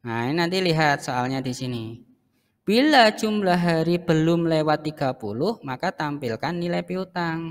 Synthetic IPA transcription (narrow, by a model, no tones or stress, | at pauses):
ŋainant̪iliɦat̪̚soalɲad̪̥isini | b̥ilḁʒ̥umlaɦaɾib̥əlʊmlewat̪ːiɡ̥a̤pulʊhmakat̪ampilkanːilɛpiut̪aŋ